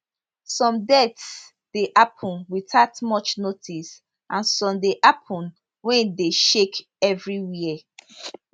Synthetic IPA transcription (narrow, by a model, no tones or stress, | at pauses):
sɔ̃mdɛts | d̥eʔapʰɔ̃nwiθatmɔt͡ʃnotʰis | ʔãnsɔ̃mdeʔapʰɔ̃n | wɛ̃ndeʃek | ɛvɹiwiɛ